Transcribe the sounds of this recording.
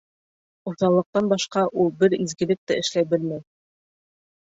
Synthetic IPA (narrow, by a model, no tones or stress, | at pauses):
ŏɾθɑlˠːɤ̆q̚t̪ɑnbɑʃqɑʔulˠbɘɾizɡɘ̆lɘk̚t̪ɘɘ̆ʃlæjbɘlmæj